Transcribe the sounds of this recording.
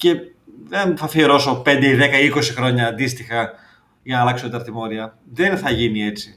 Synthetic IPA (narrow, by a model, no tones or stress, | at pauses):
ce̞ | ðenθɐfioɾo̞so̞pe̞nd̪eiðe̞kɐiko̞sixɾo̞ɲɐːnd̪ist̪ixɐ | ʝɐnɐːlɐksoðeid̪ɐɾt̪imo̞ɾiɐ | ðenθɐʝinie̞t͡si